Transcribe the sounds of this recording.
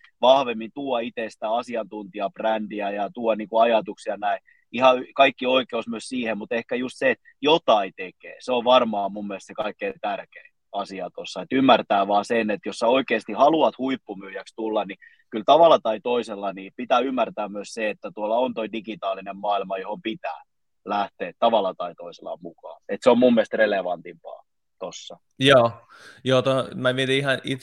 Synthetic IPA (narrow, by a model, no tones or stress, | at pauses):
ʋɑhʋemːint̪uːɑit̪esi̥t̪æɑsiɑnt̪unt̪iɑb̥rændiæjɑt̪uɑniːkuɑjɑt̪uksiɑnæi | ihɑykɑikːioikeusmyøssiːhemmut̪ehkæjust̪seet̪ | jot̪ɑit̪ekḛːseoʋʋɑrmɑːmumːielst̪sekɑikːeit̪ærkeː | ɑsiɑt̪osːɑet̪ymːært̪æːʋɑːsenet̪josːɑoikeːst̪ihɑluɑt̪huipːumyːjækst̪ulːɑni | kylt̪ɑʋɑlɑt̪ɑit̪oiselːɑnipit̪æːymːært̪æːmyøsseet̪ːæt̪uolːɑont̪oidikit̪ɑːlinemmɑːilmɑjohompit̪æ̰ː | læht̪eːt̪t̪ɑʋɑlːˑɑt̪ɑit̪oiselːˑɑ̰mukɑ̰ːet̪seommumːiest̪releʋɑnt̪impɑ̰ː | t̪osːɑ | joː | joːt̪omæʋiet̪iihɑnit̪